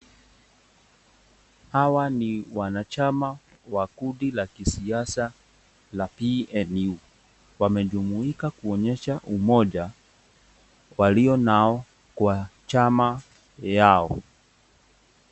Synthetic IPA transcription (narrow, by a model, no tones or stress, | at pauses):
hawaniwanat͡ʃama | wakuɗilakisiasa | lapiɛnu | wamɛʄumuikakuɔɲɛʃaʔumɔʄa | waliɔnaɔ | kwat͡ʃama | jaɔ